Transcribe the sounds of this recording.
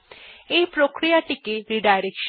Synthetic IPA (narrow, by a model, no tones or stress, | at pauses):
epɾokɾijaʈikeɾiɖajɾekʃ